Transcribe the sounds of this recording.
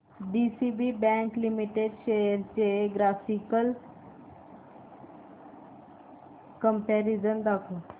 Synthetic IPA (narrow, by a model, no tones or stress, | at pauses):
ɖiːsiːbiːbɛ̃ːŋklimiʈeɖt͡ʃeɾt͡ʃeɡɾaːfikəl | kəmpɛːɾizənd̪aːkʰo